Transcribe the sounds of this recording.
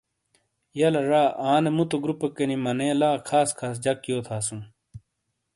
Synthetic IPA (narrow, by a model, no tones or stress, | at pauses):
jɐlɐɾaːʔaːnemut̪oɡɾupekɐnimɐnẽːlaːkʰaːskʰaːs̬d͡ʑɐkjoːt̪ʰaːsũ